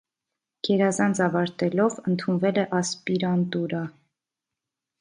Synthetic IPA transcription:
ɡ̥ɛɾɑzɑnt͡sʰɑvɑɾt̪ɛlɔvənt̪ʰunvɛlɛʔɑspiɾɑnt̪uɾɑ

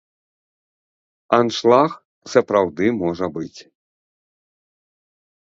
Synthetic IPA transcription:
anʂlˠax | sɐpɾawd̪ɨmɔʐɐbɨt͡sʲ

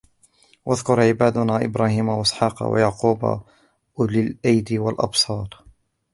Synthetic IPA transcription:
wʔaðkʊɾʕɪbaːd̪ʊnaːʔɪbɾaːhiːmawaʔɪsħɑːqɑ̰wa̰jaʕquːba̰ | lɪlʔajd̪ɪwalʔɑ̰bsˤɑːɾˤ

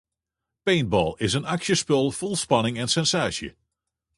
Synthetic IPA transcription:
pejn̚bɔ̰ːlˠɪsənɑkʃjəspølˠv̥ɔlˠspɑnɪŋɛnsɛnsaːsjə̰

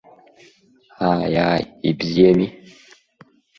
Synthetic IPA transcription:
haːjaibiiemi

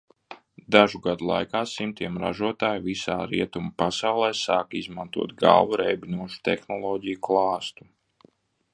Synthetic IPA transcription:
d̪aʒuɡad̪ulˠa̰jkaːsimt̪iɛmɾa̰ʒuɔt̪aːjvisaːɾiɛt̪umapasawlˠɛːsaːkizmant̪uɔt̪ɡa̰lˠvuɾɛjbinuɔʃu̥t̪ɛ̰xnɔlˠɔːɟijuklˠɑːst̪u̥

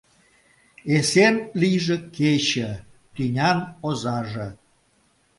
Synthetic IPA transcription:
esenlijʒĕket͡ɕə̆ | t̪ynʲɑnozɑʒĕ

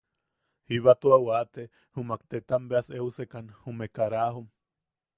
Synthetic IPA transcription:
hiβat̪uawat̪e | humakt̪et̪ambeaseusekanhumekaɾaɦum

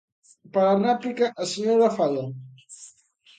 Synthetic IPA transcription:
pəɾanaplikaʔəsəɲoɾafaʎa

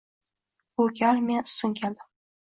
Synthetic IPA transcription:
okʲʰalmen̥t̪ʊnkʲʰeld̪ɪm

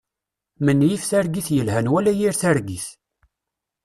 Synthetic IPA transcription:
mənːjifθæɾɡiθjəlɦænwælæjiɾθæɾɡiθ

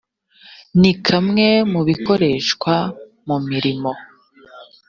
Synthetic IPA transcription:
nikʰamŋe̞muβiko̞ɾe̞ːʃkwa | mumiɾimo̞

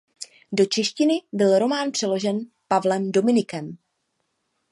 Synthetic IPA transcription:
do̞t͡ʃɛʃcɪnɪbɪlɾo̞maːnpr̥ɛlo̞ʒɛn | pavlɛmdo̞mɪnɪkɛm

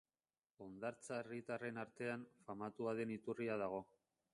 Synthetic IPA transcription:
o̞nd̪aɾt͡saerit̪are̞naɾt̪e̞anfamat̪uaðe̞nit̪uriaðaɣ̞o̞

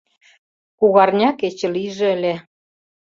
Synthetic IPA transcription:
kuɣɑrnʲɑket͡ɕə̆liʒĕəlʲe

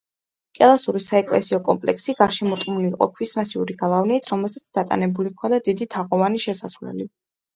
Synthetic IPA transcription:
kʼɛlˠasuɾisaɛkʼlɛ̰siɔkʼɔmpʼlɛ̰ksiɡaɾʃɛmɔɾt̪ʼmuliːqʼɔ̰kʰwismasiuɾiɡalˠavniːt̪ʰɾɔmɛlˠsat̪sʰd̪̥at̪ʼa̰nɛbulikʰɔnd̪ad̪id̪it̪ʰaʁɔvaniʃɛsasvlɛ̰li

